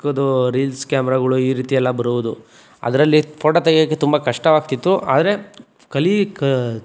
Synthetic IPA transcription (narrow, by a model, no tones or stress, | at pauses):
kod̪uɾiːlskaːmɛɾaːɡɐɭuiːɾiːt̪ijɛlːɐbɐɾuʋud̪u | ɐ̰d̪ɐɾɐlːipʰɔːʈɐt̪ɐɡjɐkːe̞t̪umbɐkɐʂʈɐʋaːɡ̚t̪it̪ːuʔa̰ːd̪ɐɾe̞ | kɐlik